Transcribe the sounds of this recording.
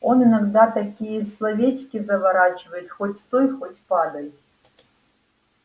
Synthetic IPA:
ɔnɨnɐɡd̪at̪ɐkʲijəislˠɐvʲetʲkʲizɐvɐɾat͡ʃɪvəjɪt̪xɔtʲst̪ojxɔtʲpad̪ɐj

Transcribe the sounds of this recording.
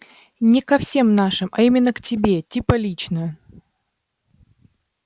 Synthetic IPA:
nʲɪkɐfsʲe̞mnaʂɨmʔɐ̰imʲɪnːəktʲɪbʲe̞tʲipəlʲit͡ɕnə

